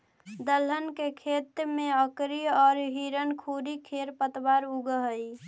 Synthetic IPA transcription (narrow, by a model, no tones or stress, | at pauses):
d̪ələnkekʰet̪ɾmẽəkɾiɔːɾɦiɾənkʰuɾikʰeɾpət̪baɾuɡəɦəi